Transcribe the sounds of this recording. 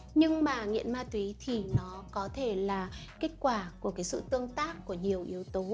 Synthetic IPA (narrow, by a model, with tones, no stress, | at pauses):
ɲɨ˧ŋmaː˨˩ŋḭ˧˨ənmaː˧t̪wi˨˦t̪ʰi˨˩nɔ˨˦kɔ˨˦t̪ʰe˧˩laː˨˩ke˦˥t̟̚kwaː˧˩ku˧˩əkaː˨˦jsɨ̰˧˨t̪ɨ˧əŋt̪aː˦˥kːu˧˩əɲi˨˩əwʔi˨˦əwt̪o˨˦